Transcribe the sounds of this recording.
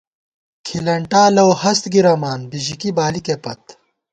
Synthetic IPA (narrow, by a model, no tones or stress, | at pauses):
kʰilɐɳʈaːlɐwhɐst̪ɡiɾɐmaːnbiʑikibaːlikepɐt̪